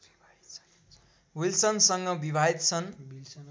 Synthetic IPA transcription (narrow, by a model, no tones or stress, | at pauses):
wilsʌnsʌŋɡʌbibʱaɦit̪t͡sʰʌn